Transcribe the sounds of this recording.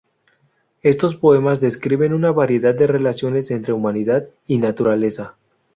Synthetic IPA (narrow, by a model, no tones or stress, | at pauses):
e̞st̪o̞spo̞e̞mazðe̞skɾiβe̞nunaβaɾje̞ðad̪̚d̪e̞re̞lasjo̞ne̞se̞nt̪ɾe̞umaniðad̪ | inat̪uɾale̞sa